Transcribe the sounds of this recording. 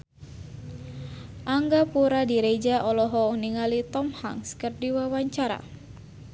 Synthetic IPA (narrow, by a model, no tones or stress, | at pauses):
ʔaŋɡapuɾadiɾed͡ʒaʔɔlɔɦɔniŋalit̪ɔmha̰ŋskərdiwawaɲt͡ʃaɾa̰